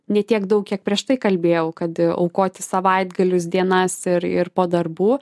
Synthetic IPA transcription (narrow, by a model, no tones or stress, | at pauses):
nʲɛt̪ʲiɛkd̪ɐʊk̚kʲiɛk̚pʲɾʲiɛʃt̪ɐɪkɐlʲbʲeːjɛʊkɐt̪ɐ̰ʊkoːt̪ʲɪsɐʋɐɪd̪ɡɐlʲʊs̬d̪ʲiɛnɐsɪɾɪ̰ɾpoːd̪ɐrbuː